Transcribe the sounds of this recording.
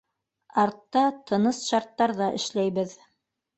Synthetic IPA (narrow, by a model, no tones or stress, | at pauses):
ɑɾt̪ːɑt̪ʰɤ̆nɤsʃɑɾt̪ːɑɾðɑʔɘ̰̆ʃlæjβɘð